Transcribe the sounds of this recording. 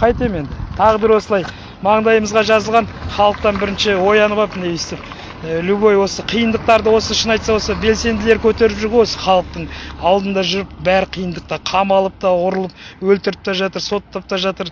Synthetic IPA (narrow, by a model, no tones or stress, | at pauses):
qʰɑjt̪eme̞nd̪ɪt̪ʰɑʁəbɪɾwo̞səlˠɑj | mɑɴd̪ɑjəməzʁɑʒɑzəlˠʁɑnχɑlˠəq̚t̪ɑnbɪɾɪnʃɪwo̞jɑnəbɑpnewest̪ɪp̚ | lubojwo̞səqʰijənd̪əq̚t̪ɑɾd̪əwo̞səɪʃənɑjt̪sɑwosəbe̞lse̞nd̪ɪle̞ɾkʲʰɵt̪e̞ɾɪpʒɪɾʁewosə̥χɑlˠəq̚t̪əɴɑlˠd̪ənd̪ɑʒʏɾəp̚bæɾɪqʰijənd̪əq̚t̪ɑqʰɑmɑlˠəp̚t̪ɑwʊɾəlˠəp̚wɵlt̪ɪɾɪp̚t̪ɑʒɑt̪əɾso̞t̪ːɑp̚t̪ɑʒɑt̪əɾ